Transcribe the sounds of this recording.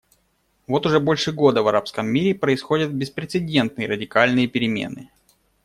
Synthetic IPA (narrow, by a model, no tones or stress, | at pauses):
vo̞t̪ʊʐɛbo̞lʲʂɨɡo̞d̪əvɐɾapskəmːʲiɾʲɪpɾəɪsxo̞dʲət̪̚bʲɪspɾʲɪt̪sɨdʲe̞nt̪̚nɨjəɾədʲɪkalʲnɨjəpʲɪɾʲɪmʲḛnɨ